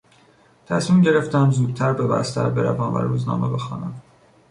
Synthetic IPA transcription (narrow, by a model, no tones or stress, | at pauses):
t̪ʰæsmimɟe̞ɾeft̪æmzuːd̪̚t̪ʰæɾbe̞bæ̰st̪æ̰ɾbe̞ɾævæmvæ̰ɾuːznɒ̰ːmebe̞xɒːnæm